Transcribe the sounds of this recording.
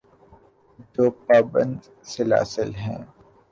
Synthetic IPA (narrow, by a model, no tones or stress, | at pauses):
d͡ʒoːpaːbə̰̃nd̪ | sela̰ːsɪlɦɛ̰̃ː